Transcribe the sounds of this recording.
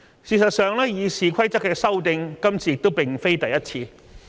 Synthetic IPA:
siː˨˧sɐ˨t̚sœː˨ŋlɛː˥jiː˨˧siː˨kʷʰɐ˥jt͡sɐ˥kːɛː˧sɐ˥wt̪ɪ˧ŋkɐ˥mt͡sʰiː˨jɪ˨k̚t̪o˥wpɪ˨˩ŋfe˥jt̪ɐ˨jɐ˥t̚t͡sʰiː˧

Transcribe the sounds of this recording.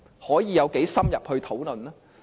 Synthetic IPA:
hɔː˨˥jiː˨˧jɐ˨˧wke˨˥jsɐ˥mjɐ˨p̚hɵ˧ɥt̪ʰo˨˥wlɵ˨˩nlaː˥

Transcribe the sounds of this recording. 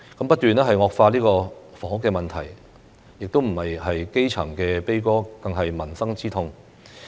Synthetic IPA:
kɐ˨˥mpɐ˥t̚t̪yː˨nɛː˥ɦɐ˨jŋɔː˨˧k̚faː˧liː˥kɔː˧fɔ˨˥˩ŋʊ˥kːɛː˧mɐ˨nt̪ʰɐ˨˩j | jɪ˨k̚t̪o˥wm̩˨˩hɐ˨jhɐ˨jke˥jt͡sʰɐ˨˩ŋkɛː˧pe˥jkɔː˥kɐ˧ŋɦɐ˨jmɐ˨˩nsɐ˥ŋt͡siː˥t̪ʰʊ˧ŋ

